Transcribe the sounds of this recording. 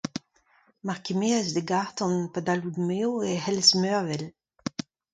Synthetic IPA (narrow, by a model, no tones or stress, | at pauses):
maʁkemeazdəɡaʁtɔ̃npadaludmeoehɛlsmøʁvɛl